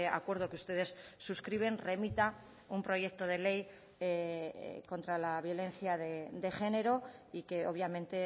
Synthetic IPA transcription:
a̰kwe̞ɾð̞o̞keust̪e̞ð̞e̞sːuskɾiβ̞e̞nre̞mit̪a | umpɾo̞ʝe̞k̚t̪o̞ð̞e̞le̞j | ko̞nt̪ɾalaβ̞jo̞le̞nθjaðed̪e̞xe̞ne̞ɾo̞ike̞o̞βjamẽnt̪e̞

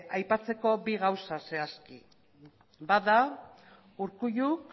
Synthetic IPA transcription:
ajpat͡se̞ko̞biɣawsase̞aski | baða | uɾkuʎuk

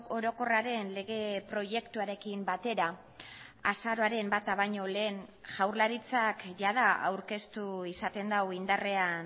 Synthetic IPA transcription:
o̞ɾo̞ko̞raɾe̞nle̞ɣ̞e̞pɾo̞ʝe̞kt̪uaɾe̞kimbat̪e̞ɾa | asaɾo̞aɾe̞mbat̪aβaɲo̞le̞ːnʝawɾlaɾit͡sakʝaðaa̰wɾke̞st̪uisat̪e̞nd̪awind̪are̞an

